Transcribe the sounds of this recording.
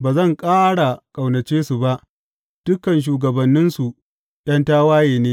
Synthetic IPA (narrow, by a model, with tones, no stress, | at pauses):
baː˨zɐ˦˨ŋkʼaː˦ɽa˨kʼa˨wnɐ˨t͡ʃeː˦su˨ba˦ʔ | d̥ʊ˦kːɐ˨nʃ̬uː˨ɡɐ˨bɐ˨nːɪ˦nsu˨ | ɗɐ˦ntaː˦waː˦jeː˨neː˦